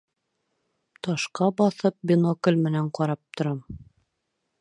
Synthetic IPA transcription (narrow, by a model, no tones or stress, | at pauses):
t̪ɑʃqɑbɑθɤp̚bɪnokɘ̆lʲmɘ̆næɴqɑɾɑp̚t̪ŏɾɑm